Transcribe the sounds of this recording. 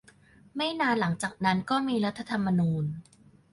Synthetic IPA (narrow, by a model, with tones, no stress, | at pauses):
ma˥˩jnaː˧nla˩˦ŋt͡ɕaː˨˩k̚na˦˥nkɔː˥˩miː˧ɾa˦˥t̪ʰːa˧t̪ʰa˧mːa˧nuː˧n